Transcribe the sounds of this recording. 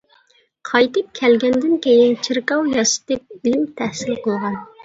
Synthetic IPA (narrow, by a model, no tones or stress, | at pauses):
qʰɑjt̪ɨp̚kʲʰɛlɡʲɛnd̪ɪnkʲejɪnt͡ʃʰiɾkɑwjɑsɨ̥t̪ɨp̚imt̪ʰæhsɪlqʰəlˠʁɑn